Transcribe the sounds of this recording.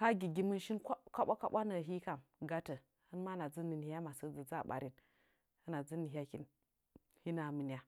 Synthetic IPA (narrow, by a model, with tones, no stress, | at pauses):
ka˦ɡi˨ɡi˨mɨ˦nʃi˦nkʷkʷa˦ɓʷa˦ka˦ɓʷa˦nə˨ɦi˦ka˨m | ɡa˦tə˨ | ɨ˦nma˦na˨d͡zə˦ni˨n˨ha˦ma˨sə˦d͡zə˨d͡za˦˨ɓa̰˨ɾi˦n | ɨ˦na˨d͡zə˦ni˨ɦʲa˦ki˦n | hi˦na˨mɨ˨ni˨ja˦